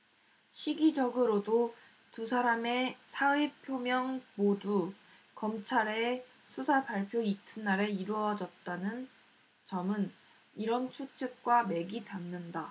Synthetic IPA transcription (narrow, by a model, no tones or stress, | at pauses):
ɕʰiɡid͡ʑʌɡɯɾodo | tusʰaɾame̞sʰaipʰjomjʌŋmodu | kʌmt͡ɕʰaɾe̞ | sʰusʰapaɭpʰjoitʰɯnːaɾe̞iɾwʌd͡ʑʌt̚t͈anɯn | t͡ɕʌmɯn | iɾʌnt͡ɕʰut͡ɕʰɯk̚k͈wame̞ɡidamnɯnda